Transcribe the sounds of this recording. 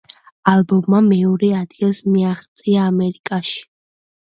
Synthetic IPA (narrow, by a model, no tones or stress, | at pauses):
alˠbɔmːamɛɔɾɛad̪ɡilˠsmiaχt̪sʼiaːmɛɾikʼaʃi̥